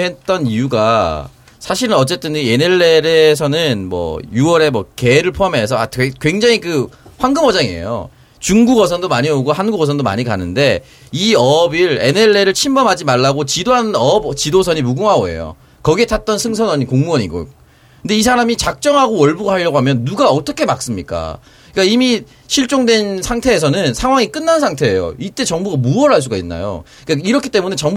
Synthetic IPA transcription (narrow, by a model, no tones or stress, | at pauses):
ɦet̚t͈ʌnijuɡa̰ | sʰaɕʰiɾɯnʌt͡ɕ͈e̞t͈ɯnene̞ɭːeɾes̬ʰʌnɯnmwʌ̰juʌɾe̞mʌke̞ɾɯɭpʰoamɦe̞sʰʌaekwe̞ŋd͡ʑaŋikɯɸwaŋɡɯmʌd͡ʑaŋiḛjo̰ | t͡ɕuŋɡuɡʌsʰʌndomaɲiʌɡohanɡuɡʌs̬ʰʌndoma̰ɲika̰nɯnde̞ | iʌbiɾe̞ne̞ɭe̞ɾɯɭt͡ɕʰimbʌmɦad͡ʑimaɭːaɡot͡ɕidoɦanɯnʌbt͡ɕidosʰʌɲimuɡuŋɦaoe̞̰jo̰ | kʌɡietʰat̚t͈ʌnsʰɯŋsʰʌnʌɲikoŋmuʌɲḭɡo̰ | kʰɯnde̞is̬ʰaɾamit͡ɕak̚t͡ɕ͈ʌŋɦaɡowʌɭbuɡaɦaʎːʌɡoɦamjʌnːuɡaʌt͈ʌkʰe̞mak̚s͈ɯmɲik͈a̰ | k͈aimi | ɕʰiɭt͡ɕ͈oŋdwe̞nsʰaŋtʰe̞ːs̬ʰʌnɯnsʰaŋɦwaŋik͈ɯnːansʰaŋtʰe̞ːjo̰it͈e̞t͡ɕʌŋbuɡamuʌɾɦaɭs̬͈uɡainːa̰jo̰ | ik͈aiɾʌkʰit͈e̞munet͡ɕʌŋb